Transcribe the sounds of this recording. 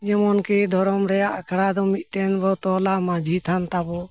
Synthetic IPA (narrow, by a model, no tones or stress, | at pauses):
d͡ʒɛmɔnkɛd̪ʱɔɾɔmɾɛjaʔakʰɽad̪ɔmit̪̚ʈɛnbɔt̪ɔlamad͡ʒʱit̪ʰant̪abɔ